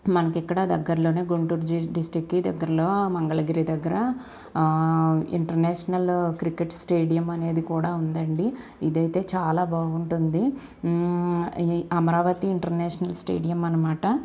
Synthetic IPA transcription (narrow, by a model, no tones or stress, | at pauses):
mɐnɐkːɛkːɐɽɐd̪ɐɡːɐɾɐloːneːɡuɳʈuːɾd͡ʒiɖisʈɾikːiːd̪ɐɡːɐɾɐloːmɐŋɡɐɭɐɡiɾid̪ɐɡːɐɾɐ | ḭɳʈɐɾneːʂɐnɐlkɾikːeʈsʈeːɖijɐmɐne̞ːd̪ukuːɽaund̪ɐɳɖi | id̪ɐjt̪eːt͡ʃaːlaːbaːɡuɳʈund̪i | ɐmɐɾaːʋɐt̪iːɳʈɐɾneːʂɐnɐlsʈḛːɖijɐmɐnːɐmaːʈɐ